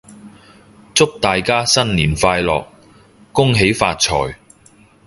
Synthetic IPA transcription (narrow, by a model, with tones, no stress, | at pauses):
t͡sʊ˥k̚t̪aː˨jkaː˥sɐ˥nliː˨˩nfaː˧jlɔ̰ː˨k̚ː | ʊ˥ŋɦe˨˥jfa̰ː˧t̚t͡sʰɔ̰ː˨˩j